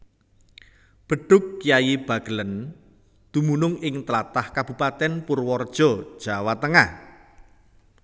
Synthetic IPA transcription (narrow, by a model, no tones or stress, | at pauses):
b̥ə̤ɖ̥ʊ̤kːijajib̥ä̤ɡ̥ələn | d̪̥umunʊŋɪŋt̪əlat̪ahkab̥ṳpat̪ɛnpʊrwɔrd̥ʒ̥ɔ̤d̥ʒ̥a̤wat̪əŋah